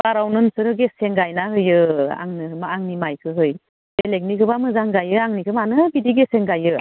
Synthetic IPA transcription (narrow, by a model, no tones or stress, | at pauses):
aɾawnɯnsɯɾɯɡeseŋɡajnaɦɯjɯa̰ŋnɯmaaŋnimajkʰɯɦɯj | belek̚nikʰɯbamɯzaŋɡajɯaŋnikʰɯmanɯbidiɡeseŋɡajɯ